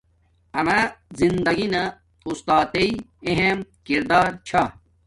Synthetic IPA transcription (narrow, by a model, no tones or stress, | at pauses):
ɐmazind̪ɐɡinɐ | ust̪aːt̪eieɦemkiɾd̪aːɾt͡ɕʰa